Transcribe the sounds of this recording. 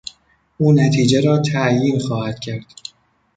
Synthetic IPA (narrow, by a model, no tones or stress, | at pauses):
ʔuːnæt̪ʰiːd͡ʒeɾɒːt̪ʰæjiːnxɒːhæd̪̥̚cʰæɾd̪̥